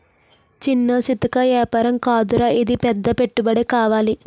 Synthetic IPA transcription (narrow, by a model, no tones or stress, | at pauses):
t͡ʃinːɐsit̪ɐkɐjɛːpɐɾɐmkaːd̪uɾɐʔid̪ipɛd̪ːɐpe̞ʈːubɐɽekaːʋaːli